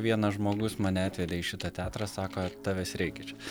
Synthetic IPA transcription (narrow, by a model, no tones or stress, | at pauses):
ʋʲiɛnɐʒmoːɡʊsmɑːnʲɛɑːt̪ʲʋʲɛd̪ʲeːɪʃʲɪt̪ɐt̪ʲæːt̪ɾɑsɑːkoːt̪ɑːʋʲɛːsɾʲɛɪkʲɛt͡ʃʲː